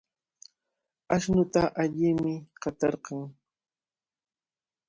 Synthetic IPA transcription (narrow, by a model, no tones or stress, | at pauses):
aʃnʊt̪aʔaʎɪmɪqɑt̪ɑɾqɑŋ